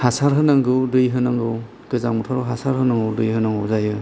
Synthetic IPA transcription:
hasaɾɦɯnaŋɡɯwdɯjɦɯnaŋɡɯw | ɡɯzaŋmutʰaɾɔɦasaɾhɯnaŋɯwdɯjhɯnaŋɯwzajɯ

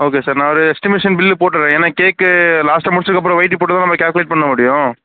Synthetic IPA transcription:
oːk̬eːsaːɾnãːʋɐɾɯɛksʈɪmeːʂɐnbɪlːɯpoːʈːɯɾẽːeːnaːkeːkːɯlaːsʈɐmʊɽstɾɯkːɐpːɯɾɔ̃ʋɐɪʈ̪t̪̬ːipoːʈːɯt̪ãːnɐmːɐkʲaːlkɯleːʈ̚pɐɳːɐmʊɽɪjʊ̃

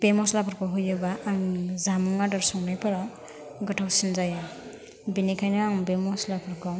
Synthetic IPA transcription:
b̥emɔslapʰɔɾkʰɔɦujabaːŋzamuŋadaɾsɔŋnajpaɾa | ɡɔtʰawsinzaja | binikʰajnaːŋbemɔslapʰaɾkʰɔ

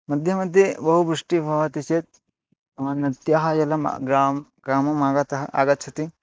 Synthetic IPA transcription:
mɐd̪ʱjɐmɐnd̪jibɐɦubɾuʂʈibʱɐʋɐt̪iset̪̚ | t̪ɐmɐnːɐt̪jaɦɐjɐlɐm̰ɡɾaːmɡɾaːmɐmaːɡɐt̪ɐɦɐʔa̰ːɡɐt̪̚t͡ʃʰɐt̪i

